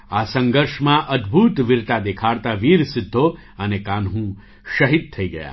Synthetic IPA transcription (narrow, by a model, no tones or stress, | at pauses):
asə̃ŋɡəɾʃmãʔəd̪bʱut̪ʋɪɾt̪ad̪ekʰaɽt̪aʋiɾsɪd̪ʱːo | ənekanɦũ | ʃəɦid̪̚t̪ʰəiɡəja̰